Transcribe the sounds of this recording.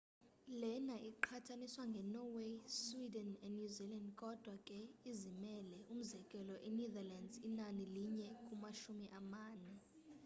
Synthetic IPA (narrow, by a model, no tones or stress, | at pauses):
lɛnaʔiǃʰatʰaniswaŋɡʱɛnɔweswidɛnɛnuzilandkʼɔd̥ʱwakʼɛizimɛlɛʔum̩zɛkʼɛlɔʔɛnɛðalandzinaniliɲɛkʼumaʃumiʔamaːnɛ